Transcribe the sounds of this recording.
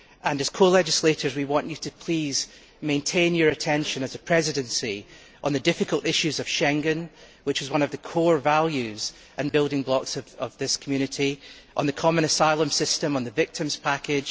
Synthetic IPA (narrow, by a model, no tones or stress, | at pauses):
ʔə̃nɨz̥kʰolˠɛd͡ʒɪslˠeʔə˞zwiwɔ̃nt͡ʃɨtʰəpʰl̥iz̥ | mẽntʰẽnjə˞ɨtʰɛ̃nʃə̃nəzəpʰɹ̥ɛzɪɾɨ̃nsi | ʔə̃nðɨdɪfɪkʰəlˠʔɪʃʉzəv̥ʃɛ̃ŋɨ̃n | wɪt͡ʃɪzwʌ̃nəvðəkʰoɹvalˠjʉz | ʔə̃nbɪlˠdɪ̃ŋblˠɔksəvəvðɪskʰəmjʉñɪʔi | ʔə̃nðəkʰɔmə̃ñəsaɪlˠə̃msɪstə̃mə̃nðəvɪk̚tʰə̃mz̥pʰakɪd̥ʒ̥